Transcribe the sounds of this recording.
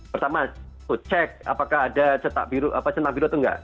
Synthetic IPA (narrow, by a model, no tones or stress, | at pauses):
pərt̪ama | t̪ut͡ʃɛk̚a̰pakaɦːdat͡ʃət̪a̰biɾuʔapat͡ʃənt̪aʔbiɾut̪uŋɡa̰ʔ